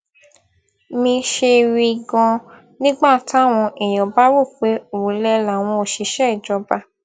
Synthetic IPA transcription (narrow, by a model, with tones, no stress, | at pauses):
mĩ˧ʃe˧ɾi˧ɡɔ̃˧ | nĩ˦ɡ͡ba˦˨ta˨˦˨w̃ɔ̃˧ʔi˨j̃ɔ̃˨ba˦ɾu˦˨k͡pe˨˦o˨wu˨˦lɛ˧˦la˨w̃ɔ̃˧o˧˨ʃi˧˦ʃɛ˦i˨d͡ʒɔ˧ba˧